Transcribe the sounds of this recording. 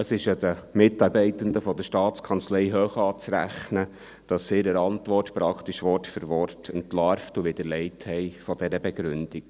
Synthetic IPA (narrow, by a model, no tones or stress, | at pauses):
əsɪʃəd̥̪əmɪtɑɾbɛɪt̪ənd̪əfɔd̪əʃtɑːt͡skʰɑnt͡slɛɪɦøːχɑːt͡sɾæ̰χnə | d̥ɑsːɪɾəɾɑntʋɔrtpɾɑkʰt̪iʃʋɔrtfəɾʋɔrtʰəntlɑɾftuʋɪd̥̪əɾlɛɪthɛɪfɔd̥ɛɾəbɛɡ̥ɾʉnd̥ik